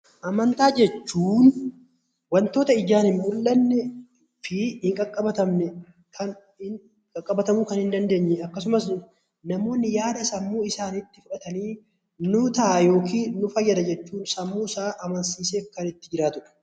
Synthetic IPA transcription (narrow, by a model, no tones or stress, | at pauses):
ʔɐmɐnt̪aːd͡ʒɛt͡ʃːuːn | wɐnt̪o̞ːt̪ɐɪd͡ʒaːnhɪnmʊlːɐnːɛ | fɪhɪŋkʼɐkʼːɐbɐt̪ɐmnɛ | kʰɐn | ɪ | kʼɐkʼːɐbɐt̪ɐmuːkɐnhɪnd̪ɐnd̪e̞ːɲːɛɐkːɐsʊmɐs | nɐmo̞ːnːɪjaːd̪ɐsɐmːuːɪsaːnɪt̪ːɪfʊᶑɐt̪ɐniː | nʊt̪ɐʔajo̞ːkiːnʊfɐjːɐd̪ɐd͡ʒɛt͡ʃːuːnsɐmːuːsaːʔɐmɐnsiːseːfkɐnɪt̪ːɪd͡ʒɪɾaːt̪ʊᶑɛ̥